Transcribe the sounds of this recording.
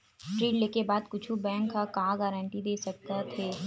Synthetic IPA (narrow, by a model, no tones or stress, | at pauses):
sʈɾiːɖleːkebaːd̪kʊt͡ʃʰubɛ̃ːŋkːakaãɡɛːɾə̃ɳʈid̪eːsɐk̚t̪at̪ʰeː